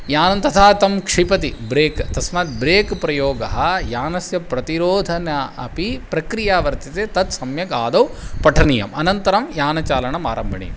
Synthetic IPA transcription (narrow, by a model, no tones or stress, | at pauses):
jaːnɐnt̪ɐt̪ʰaːt̪ɐmkʂipɐt̪ibɾeːkt̪ɐsmaːt̪̚bɾeːkpɾɐjoːɡɐɦɐ̆jaːnɐsjɐpɾɐt̪iɾoːd̪ʱɐnɐɐ̰pipɾɐkɾijaːʋɐɾt̪it̪eːt̪ɐt̪sɐmjɐɡaːd̪ɐw | pɐʈʰɐnijɐ̰mɐnɐnt̪ɐɾɐmjaːnɐt͡ʃaːlɐɳɐma̰ːɾɐmbʱɐɳḭ